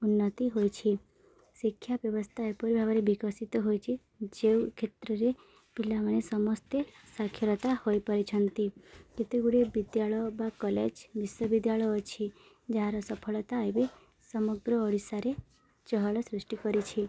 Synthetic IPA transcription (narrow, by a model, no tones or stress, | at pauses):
unːət̪iɦojt͡ʃʰi | sikʰjabjəʋəst̪ʰaepəɾbʱaʋaɾebikəsit̪ɔɦojt͡ʃʰi | d͡ʒewkʰet̪ɾəɾe | pilːamənesəmɔst̪esakʰːjəɾɔt̪ahojpəɾit͡ʃʰənt̪ikit̪eɡuɽebid̪jaɭɔbakɔled͡ʒbiswəʋid̪jaɭɔjɔt͡ʃʰi | d͡ʒaɦaɾɔsəpʰəɭt̪aəjbe | səməɡɾəːɽisaɾe | t͡ʃɦəɭɔsɾɪsʈikəɾit͡ʃʰi